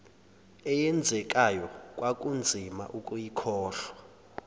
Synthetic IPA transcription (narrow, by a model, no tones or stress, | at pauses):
ɛjɛnd͡zʱɛk̬ʼajɔkʼwakʼund͡zʱima̰ʔukʼujikʰɔːɬwa